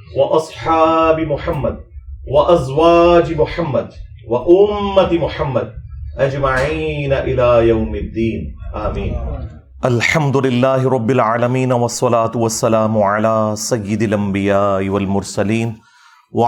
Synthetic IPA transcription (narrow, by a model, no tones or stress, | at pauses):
wɑʔɑsˤħɑːbɪmʊħamːad̪̚waʔazwaːd͡ʒmʊħamːad̪ | waʔʊmːat̪mʊħamːad̪̚ʔad͡ʒmaʕiːnaʔɪlaːjawmɪd̪ːiːnʔaːmiːn | ʔalħamd̪ʊlɪlːaːɦɪɾˤɑbːɪlʕaːlamiːnwɑsˤːɑlaːt̪ʊwasːalaːmʊʕalaːsajːɪd̪alʔambɪjaːʔɪwalmʊɾˤsaliːn | wa